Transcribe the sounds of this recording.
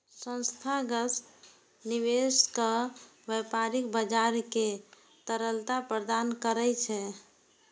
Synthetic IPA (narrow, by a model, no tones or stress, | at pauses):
sə̃nst̪ʰaɡəs | niweskəʋəpaɾikbəd͡ʒaɾke | t̪əɾəlt̪apɾəd̪ankəɾəjt͡ʃʰɛ